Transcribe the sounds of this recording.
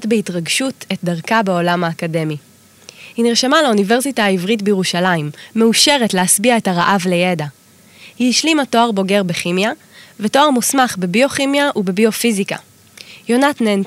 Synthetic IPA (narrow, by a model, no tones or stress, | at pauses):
tbeitʁaɡʃutet̚daʁkabeo̞lamhaːkade̞mi | hinʁeʃamalaunive̞ʁsitaaivʁitbejeʁuʃalaimːe̞uʃe̞ʁetleasbiaetaʁaʔavlejeda | hiiʃlimato̞aʁbo̞ɡe̞ʁbeχimja | veto̞aʁmusmaχbebio̞χimjaʔubebio̞fizika̰ | jo̞natnen